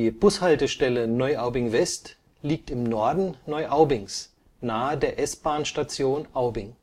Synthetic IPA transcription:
iːb̥ʊshaltəʃtɛlənɔʏʔaʊbɪŋvɛst | liːk̚tɪmnɔɐdn̩nɔʏʔaʊbɪŋs | naːədeːɐʔɛsb̥aːnʃtat͡sjoːnʔaʊbɪŋ

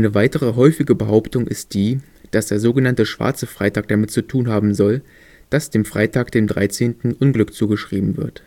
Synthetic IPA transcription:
ʔnəvaɪtəʁəɦɔʏfɪɡəbəɦaʊptʊŋʔɪ̰st̚d̥iː | d̥asd̥eːɐzoːɡənantəʃv̥a̰ɐt͡səfʁ̥aɪtaːk̚d̥amɪt̚t͡sutʰuːnɦaːbm̩zɔl | d̥asd̥eːmfʁ̥a̰ɪtʰaːkd̥eːmdʁa̰ɪt͡seːntn̩ʔʊnɡlʏkt͡suːɡəʃʁ̥iːbm̩vɪ̰ɐt

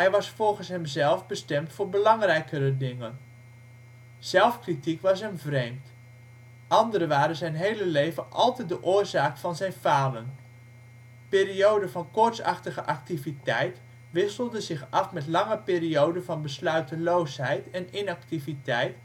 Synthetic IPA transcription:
ɦɛjʋɑsfɔlˠχənsɦɛmzɛlˠvbəstɛmtfʊːɹbəlɑŋrɛjkəɾədɪŋən | z̥ɛlˠfkritikʋɑs̬ɦɛmvrejmt | ʔɑndəɾəʋaːɾənzɛjnɦejləlejvənʔɑ̰lˠtɛj̚dəʔʊːɹzaːkfɑnzɛjnfaːlən | pɪːriowdəvɑnkʊɹtsɑ̰χtəχəʔɑk̚tivitɛjt | ʋɪsəlˠdəzɪχɑfmɛtlɑŋəpɪːriowdəvɑnbəslœɥtəlowsɦɛjtɛnɪnɑk̚tivitɛjt

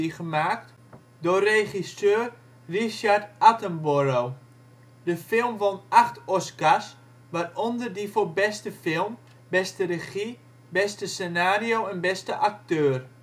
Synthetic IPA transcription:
iχəmaːkt | doreχisøːr | riʃartatəmboɾow | dəfɪlˠmʋonaχtɔsɡas | ʋarɔndərdifobɛstəfɪlˠm | bɛstərəχi | bɛstəsenaːriowɛnbɛstəʔak̚tøːr

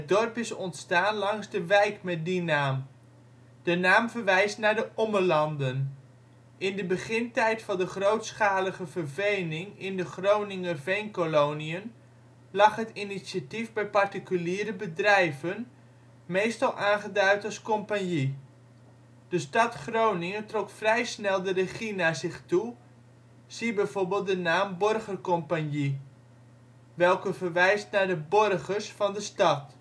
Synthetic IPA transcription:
ɦədɔrpɪsɔntstaːnlɑŋzdəʋɛjkmɛt̚dinaːm | d̥ənaːmvəɹʋɛjstnaːɹdəʔɔməɹlɑndən | ʔɪndəbəχɪntɛjtfɑndəχrowtsχaːləχəvəɹvejnɪŋɪndəχrownɪŋəvejnkolowniən | lɑχɦətiniativbɛjpɑɹtikyliːɾəbədrɛjvən | mejstɑlˠʔaːnχədœɥtɑskɔmpanji | d̥əstɑtχrownɪŋətrɔkfrɛjsnɛlˠdərəχinaːzɪχtu | sibɛjv̥oɹbɪːlˠt̚dənaːmbɔrχərkɔmpanji | ʋɛlˠkəvərʋɛjstnaɹdəbɔrɣərsfɑndəstɑt

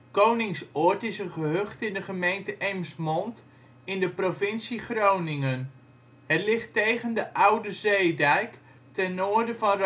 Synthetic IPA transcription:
kownɪŋsɔːɹtɪsənχəɦøχtɪndəχəmejntəʔɛjmsmɔnt | ɪndəprovɪnsiχrownɪŋən | ɦətlɪχtejχəndəʔʌwdəzejdɛjk | tɛnʊːɹdəvɑnr

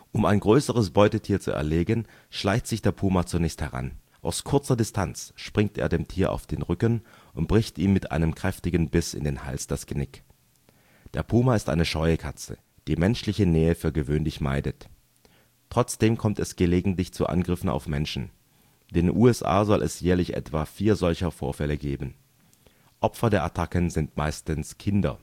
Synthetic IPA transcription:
ʔʊmaɪnɡʁøːsəʁ̞əsb̥ɔʏtətʰiːɐt͡sṵɛ̰ɐleːɡən | ʃlaɪçtz̥ɪçd̥eːɐpʰuːmat͡sunɛːçsthɛʁa̰n | ʔaʊskʰʊɐt͡sɐdɪstʰant͡sʃpʁ̥ɪŋtḛːɐdeːmtʰiːɐʔa̰ʊfd̥eːnʁʏkən | ʔʊnt̚b̥ʁɪçtʔiːmmɪtʔa̰ɪnəmkʁ̥ɛftɪɡən̩bɪsɪ̰ndeːnha̰lsd̥asɡ̥ənɪk | d̥eːɐpʰuːmaɪstʔa̰ɪnəʃɔʏəkʰat͡sə̰ | d̥iːmɛnʃlɪçənɛːəfyːɐɡəvøːnlɪçma̰ɪdətː | ʁ̥ɔt͡sd̥eːmkʰɔmtɛsɡ̥əleːɡŋ̩tlɪçt͡suʔa̰nɡʁɪfn̩a̰ʊfmɛnʃn̩ | d̥eːnʔuːɛsʔa̰ːzɔlʔɛ̰sjɛːɐlɪçʔɛ̰tv̥aːfiːɐzɔlçɐfo̰ːɐfɛləɡeːbn̩ | ʔɔpfɐdeːɐʔatʰakənzɪntmaɪstənskʰɪndɐ̰

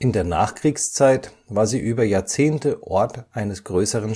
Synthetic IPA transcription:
ʔɪndeːɐna̰ːχkʁ̥iːkst͡saɪt | vaːɐziːʔyːbɐjaːɐt͡seːntəʔɔɐtʔaɪnəsɡ̥ʁøːsəʁən

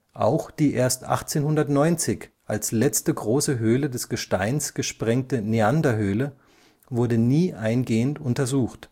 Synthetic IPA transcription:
ʔa̰ʊxd̥iːʔeːɐstʔa̰χt͡seːnhʊndɐtnɔʏnt͡sɪçʔalslɛt͡stəɡʁoːsəɦøːlədɛsɡ̥əʃtaɪnsɡ̥əʃpʁ̥ɛŋ̚təneandɐɦøːlə | vʊɐdəniːʔaɪnɡeːəntʔʊntɐzuːxt

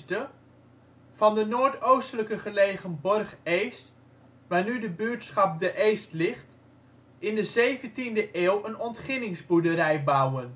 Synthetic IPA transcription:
tə | fɑndənoːɹtowstələkəχəleːχənbɔrχejst | ʋaːnydəbyətsχɑp̚dəʔejstlɪχt | ɪndəzejvəntindəʔeːlˠənɔntχɪnɪŋzbudəɾɛjbawən

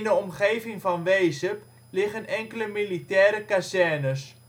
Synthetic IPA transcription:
ndəɔmχeːvɪŋfɑnʋeːsəp | lɪχənɛŋkələmilitɛːɾəkasɛnəs

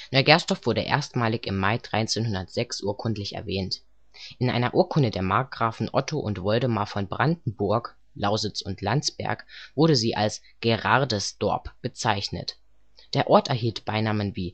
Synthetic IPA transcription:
nɔʏɡɛɐstɔfv̥ʊɐɾəʔḛːɐstmaːlɪçɪmːaɪdʁaɪt͡seːnhʊndɐtz̥ɛksʔuːɐkʰʊntlɪçɛ̰ɐvɛːnt | ʔɪnʔa̰ɪnɐʔuːɐkʰʊndədeːɐmaɐk̚ɡ̥ʁaːfn̩ʔɔtʰoʔʊntv̥ɔldəmaɐfɔnbʁandn̩bʊɐk | laʊzɪt͡sʊntʰlant͡sb̥ɛ̰ɐkv̥ʊɐɾəziːʔa̰ls | ɡ̥eʁaɐdəsd̥ɔ̰ɐpb̥ət͡saɪçnə̰t | d̥eːɐʔɔɐtɛɐɦiːltb̥aɪnaːmənviː

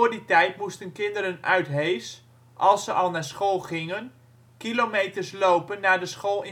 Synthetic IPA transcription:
ʊəditɛjtmustənkɪndəɾənœɥtɦejs | ʔɑlˠsəʔɑlˠnaːɹsχoːlˠχɪŋən | kilomejtərslowpənːaːɹdəsχoːlˠɪ

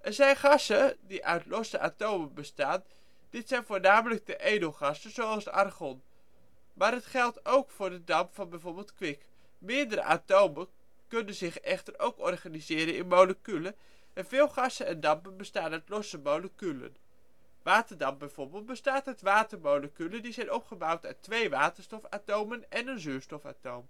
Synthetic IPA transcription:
ʔɛɹzɛjnχɑsədiʔœɥtlɔsəʔa̰towmənbəstaːn | d̥ɪtsɛjnvʊːɹnaːmələɡ̚dəʔejdəlˠχɑsəzowɑlˠsɑ̰rχɔn | maːɾɦətχɛlˠtowkfʊːɹdədɑmpfɑnbɛjvoːɹbɪlˠtkʋɪk | mɪədəɾə̰ʔa̰towmə | kɵnənzɪχɛχtəɹowkɔrχaːnizɪːɾənɪ̰nmowləkylə | ʔɛnvɪːlˠχɑsənɛndɑmpənbəstaːnœtlɔsəmowləkylə̰n | ʋaːtəɹdɑmpbɛjv̥ʊɹbɪːlˠt̚bəstaːtɦətʋaːtəɹmowləkylədizɛjnɔpχəbawtœtʋejʋaːtəɹstɔfaːtowmənɛnənzyːstɔfa̰ːtowm

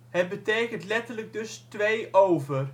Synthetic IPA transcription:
hət̚bəteːkəntlɛtərləɡ̚dɵstʋejʔowvər

